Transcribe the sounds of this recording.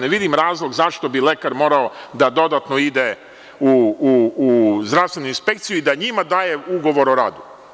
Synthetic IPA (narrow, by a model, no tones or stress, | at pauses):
neʋid̪imɾaːzlˠo̞ɡzaʃt̪o̞bile̞kaɾmo̞ːɾao̞d̪ad̪o̞d̪at̪no̞id̪e | uː | zd̪ɾast̪ʋe̞nuinspe̞kt̪sijuid̪aɲimad̪aːje̞uɡo̞ʋo̞ɾoɾa̰ːd̪u